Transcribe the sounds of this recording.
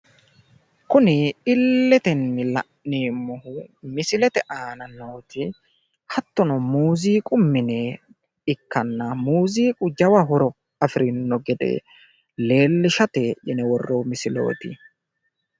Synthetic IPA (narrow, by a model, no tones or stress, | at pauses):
kʊnɪɪlːɛt̪ɛnːɪlɐ̰ʔneːmɔhʊmɪsɪlɛt̪ɛʔaːnɐnoːt̪ɪ | hɐt̪ːɔnɔmuːziːkʼʊmːɪne | ɪkːɐnːɐmuːziːkʼʊd͡ʒɐwɐɦɔɾɔ | ɐfɪɾɪnːɔɡɛd̪ḛ | le̞ːlːɪʃɐt̪eːʔɪnɛwɔrːoːmɪsɪlo̞̰ːt̪ɪ